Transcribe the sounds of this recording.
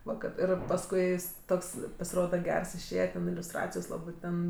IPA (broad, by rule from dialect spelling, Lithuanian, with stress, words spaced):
ˈʋɐ kɐt ˈɪr pɐsˈkʊɪ ˈjɪs ˈtoːks pɐsʲɪˈroːdɐ ˈɡʲɛrs ɪʃʲˈeːjɛ tʲɛn ɪlʲʊsˈtrɑːt͡sʲɪjoːs ˈlˠɑːbɜ ˈtʲɛn